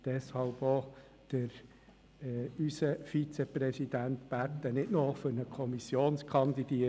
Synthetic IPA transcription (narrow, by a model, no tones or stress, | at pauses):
d̥ɛshɑlbo | d̪̥əɾ | ysəfit͡seprɛsid̥̪ænt̪pæt̪ːənɪtnofʏɾnəkʰɔmisjoːnskʰɑnd̪id̥iə